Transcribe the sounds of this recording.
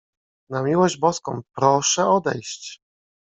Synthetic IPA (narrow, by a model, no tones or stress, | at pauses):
namʲiwɔʑd͡ʑbɔskɔ̰̃w̃pɾɔʂɛɔd̪ɛ̰jɕt͡ɕ